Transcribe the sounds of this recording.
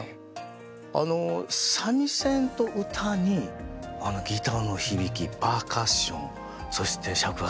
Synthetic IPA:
a̰no̞samʲisẽ̞nt̪o̞ʔɯ̟t̪ʰaɲ̟iano̞ɡʲit̪ano̞çibʲikʲipaːkaɕõn | so̞ɕi̥t̪ʰe̞ɕakɯ̟ɡa

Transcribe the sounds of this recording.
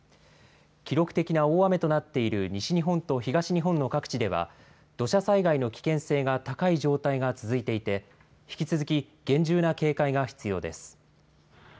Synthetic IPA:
kʲiɾo̞kɯ̟̥t̪e̞kʲinao̞ːame̞t̪o̞nat̪ːe̞iɾɯ̟ɲiɕiɲ̟iɦõ̞nt̪o̞çiɡaɕiɲ̟iɦõ̞nːo̞kakɯ̥t͡ɕid̪e̞β̞a̰ | d̪̥o̞ɕasaiɡaino̞kʲi̥kẽ̞ɰ̃se̞ːɡat̪akaiʑo̞ːt̪aiɡat͡sɨzɨit̪e̞it̪e̞ | çi̥kʲit͡sɨzɨkʲi | ɡ̥ẽ̞ɲ̟d͡ʑɨːnake̞ːkaiɡaçi̥t͡sɨjo̞̰ːd̪e̞sɨ̥

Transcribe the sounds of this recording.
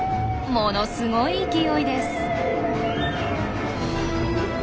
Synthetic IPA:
monosɨɡoiːkʲijoid̪e̞sɨ̥

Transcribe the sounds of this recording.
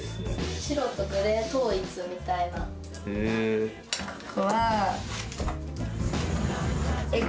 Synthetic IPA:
ɕiɾo̞t̪oɡɯɾet̪o̞ːit͡sɨmʲit̪aina | koβa | e

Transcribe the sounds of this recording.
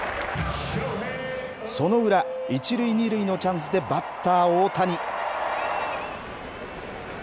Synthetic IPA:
so̞no̞ɯ̟ɾait͡ɕiɾɯ̟iɲ̟iɾɯ̟ino̞t͡ɕãɰ̃s̬ɨd̪e̞bat̪ːaːoːt̪aɲi

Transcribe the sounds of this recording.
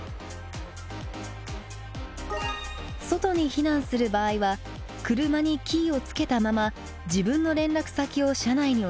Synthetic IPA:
so̞t̪o̞ɲ̟içinãɰ̃sɨɾɯ̟baːiβa | kɯ̟ɾɯ̟maɲ̟ikʲiːo̞t͡sɨ̥ke̞t̪amama | d͡ʑibɯ̟̃nːo̞ɾẽ̞nɾakɯ̟̥sakʲio̞ɕanaiɲ̟i

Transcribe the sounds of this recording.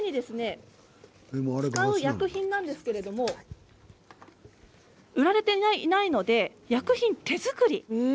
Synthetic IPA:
ɲ̟id̪e̞sɨne̞ | emoaɾekaɯjakɯ̟çĩnːãnd̪e̞sɨ̥ke̞ɾe̞d̪o̞mo̞ | ɯ̟ɾaɾe̞t̪e̞nainaino̞d̪e̞jakɯ̟çĩnt̪e̞zɨkɯ̟ɾʲi

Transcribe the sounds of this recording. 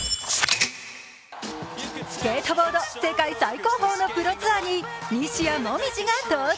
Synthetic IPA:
sɨ̥keːt̪obo̞ːd̪ose̞kaisaiko̞ːɦo̞ːnopɯ̟ɾot͡sɨaɲ̟iɲʲiɕiamomʲiʑiŋat̪o

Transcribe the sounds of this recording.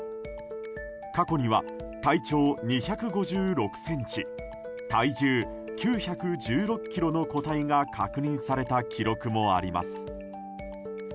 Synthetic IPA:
kako̞ɲ̟iβa̰ | t̪ait͡ɕo̞ːɲ̟içakɯ̟ɡo̞ʑɨːɾo̞kɯ̟̥sẽ̞ɲ̟t͡ɕi | t̪aid͡ʑɨː | kʲɨːçakɯ̟d͡ʑɨːɾo̞kʲːiɾo̞no̞ko̞t̪aiŋakʰakɯ̟ɲ̟ĩɰ̃saɾe̞t̪akʲʰiɾo̞kɯ̟mo̞a̰ɾʲima̰sɨ̥

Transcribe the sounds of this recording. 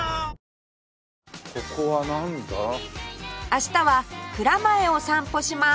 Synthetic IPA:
kokoβanãnd̪a | aɕi̥t̪aβakɯ̟ɾamaeo̞sãmpo̞ɕima

